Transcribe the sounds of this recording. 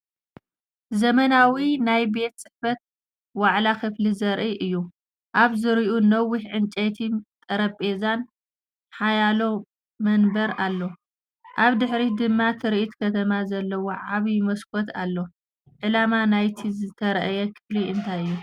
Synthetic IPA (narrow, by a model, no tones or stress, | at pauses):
zɐmɐnawinajbe̞t̪sʼɨħfɐt̪̚ | waʕlakʰɨflizɐɾʔiʔɨjːu | ʔaβzɨɾiʔunɐwːiħʕɨnt͡ʃʼet̪ʰit̪ʼɐɾɐpʼe̞zan | ħajalo̞ | mɐnbɐɾalːo̞ | ʔaβd̪ɨħɾid̪ɨmːat̪ʰɨɾʔit̪kʰɐt̪ʰɐmazɐlːɐwoʕaβimɐskʰot̪ʰa̰lːo̞ | ʕɨlamanajt̪ʰizɨt̪ʰɐɾɐʔɐjɛkʰɨ̥fliɨnt̪ʰajɨjːu